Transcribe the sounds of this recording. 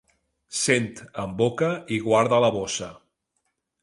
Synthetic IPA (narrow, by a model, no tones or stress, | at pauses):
sent̪əmbokəiɣwaɾðələβosə